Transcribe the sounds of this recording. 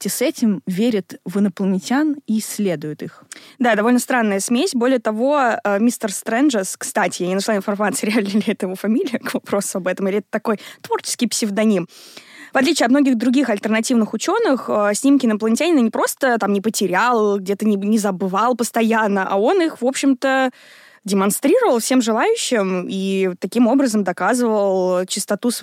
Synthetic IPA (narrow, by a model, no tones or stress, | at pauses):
tʲɪsɛtʲɪmvʲeɾʲɪt̪vənəplˠənʲɪtʲaniːsʲːlʲed̪ʊjɪt̪ixd̪ad̪ɐvo̞lʲnəst̪ɾanːəjəsmʲesʲbo̞lʲɪjət̪ɐvo̞əmʲist̪ərst̪ɾɛnʐəskst̪atʲɪjanʲɪnʂlˠaɪnfɐrmat̪sɨjəɾʲɪalʲnəlʲɛt̪əjɪvo̞fɐmʲilʲɪjəkvɐpɾo̞sʊɐbɛt̪əmilʲɪɛt̪ə̥t̪ɐko̞jt̪vo̞rt͡ɕɪ̥skʲɪjpsʲɪvd̪ɐnʲimvɐt̪lʲit͡ɕɪɐt̪mno̞ɡʲɪɣd̪ɾʊɡʲixɐlʲt̪ərnɐtʲivnɨxʊt͡ɕo̞nːɨxəsʲnʲimkʲɪnəplˠənʲɪtʲanʲɪnənʲɪpɾo̞st̪ət̪amnʲɪpətʲɪɾʲalˠɡdʲe̞t̪ənʲɪnʲɪzəbɨvɑlˠpəst̪ɐjanːəʔɐo̞nixvo̞pɕːɪmt̪ə | dʲɪmɐnst̪ɾʲiɾəvəlˠfsʲe̞mʐɨlˠajʉɕːɪmit̪ɐkʲimo̞bɾəzəmd̪ɐkazɨvəlˠt͡ɕɪst̪ɐt̪us